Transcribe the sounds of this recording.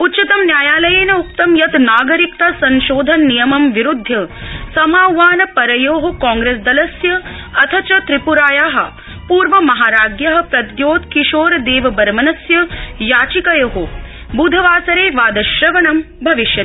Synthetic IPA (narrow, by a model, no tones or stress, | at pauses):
utːt͡ʃɐt̪ɐmnjaːjaːlɐjeːnɐuk̚t̪ɐmjɐt̪naːɡɐɾikt̪asɐnʃoːd̪ʱɐnːijɐmɐmʋiɾud̪ʱːjɐsɐmaːwʋaːnɐpɐɾɐjoːɦɐkãːŋɡɾeːs̬d̪ɐlɐsjɐ | ɐt̪ʰɐt͡ʃɐt̪ɾipuɾaːjaːɦɐ̆ | puːɾʋɐmɐɦaːɾaːɡjɐɦɐ̆pɾɐd̪joːt̪kiʃoːɾɐd̪eːʋɐbɐɾmɐnɐsjɐjaːt͡ʃikɐjoːɦo | bud̪ʱɐʋaːsɐɾeːʋaːd̪ɐʃɾɐʋɐɳɐm | bʱɐʋiʃjɐt̪i